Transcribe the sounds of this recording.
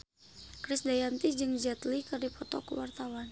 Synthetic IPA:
kɾɪsdajant̪id͡ʒɨŋd͡ʒat̪likɨrdipɔt̪ɔ̰kuwart̪awan

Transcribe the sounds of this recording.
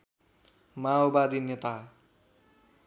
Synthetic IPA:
maobad̪inet̪a

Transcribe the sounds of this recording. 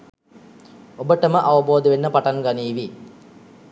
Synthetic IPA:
obəʈəməʔaʋɐboːd̪ɐʋenːəpaʈaŋɡaniːʋi

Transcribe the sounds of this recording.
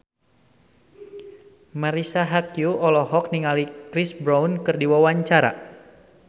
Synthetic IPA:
maɾisaɦakjuɔlɔɦɔk̚niŋalikɾisbɾawnkɨrdiwawaɲt͡ʃaɾa̰

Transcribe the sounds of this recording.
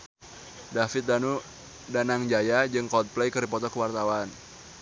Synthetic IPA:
dafɪt̪̚danu | danaŋd͡ʒajad͡ʒɨŋkɔt̪̚plejkəɾipɔt̪ɔkəwart̪awan

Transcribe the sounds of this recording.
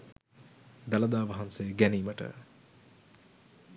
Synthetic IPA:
d̪ɐlɐd̪aːʋɐɦɐnseɡæniːmɐʈə̰

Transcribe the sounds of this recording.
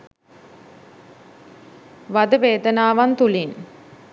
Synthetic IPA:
ʋad̪əʋeːd̪ənaːʋant̪ulin

